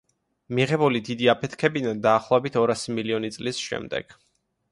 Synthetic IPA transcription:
miʁɛbulid̪id̪iapʰɛt̪ʰkʰɛbinad̪aːχlˠɔɛbit̪ʰɔɾasimiliɔnit̪sʼlisʃɛ̰md̪ɛ̰ɡ̥

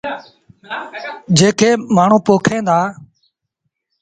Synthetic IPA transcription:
d͡ʒeːkʰeːmaːɳ̤ũːpoːkʰẽːnd̪aː

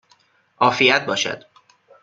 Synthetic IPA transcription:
ʔɒːfijæt̪̚bɒːʃæ̰d̪̥

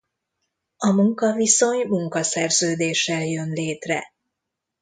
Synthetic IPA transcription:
ɒmuŋkɒviso̞ɲmuŋkɒsɛrzøːd̪eːʃːɛljø̞nleːt̪rɛ̰

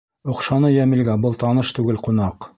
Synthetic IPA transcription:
ŏqʃɑnɤjæmɘ̆lɡæbɤlˠt̪ɑnɤʃt̪ʉɡɘlqun̪ɑq

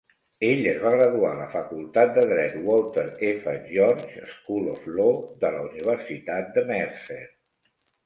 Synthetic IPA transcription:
eʎəzβaɣɾəðualəfəkulˠt̪at̪̚d̪əðɾɛt̪wɔlˠt̪əɾefəʒɔnʒə̰skulo̰floðələuniβ̞əɾsit̪at̪̚d̪əmɛɾset̪

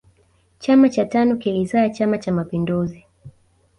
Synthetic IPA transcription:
t͡ʃamat͡ʃatanɔkiɾizaat͡ʃamat͡ʃamapinduzi

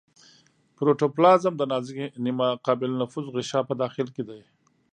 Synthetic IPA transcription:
pɾoʈoplɑzamd̪ənɑzɪɡenimaqɑːbɪlnafuzɣɪʃɑpəd̪ɑːxɪlked̪aj

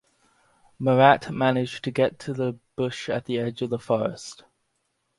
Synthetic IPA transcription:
məɹaʔmænɪd͡ʒtʰəɡɛtʰəðəb̥ʊʃət̪ʔ̪̚ðiɛd͡ʒʌvðəfɔɹə̰st

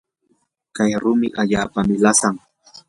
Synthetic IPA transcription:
kajɾʊmɪʔaʎaːpamɪlasaŋ

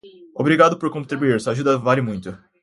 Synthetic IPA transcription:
obɾiɡad̪ʊpoɾkõt̪ɾibuiɾsuaʒud̪ɐvalɪmũj̃t̪ʊ

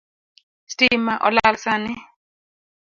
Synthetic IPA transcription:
stimaʔɔlalsanɪ

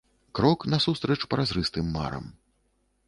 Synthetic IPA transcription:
kɾɔknɐsust̪ɾɛt͡ʂpɐɾazɾɨst̪ɨmːa̰ɾɐ̰m

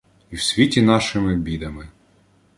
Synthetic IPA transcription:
iwsʲʋʲitʲinɑʃɪmɪbʲid̪ɐmɪ

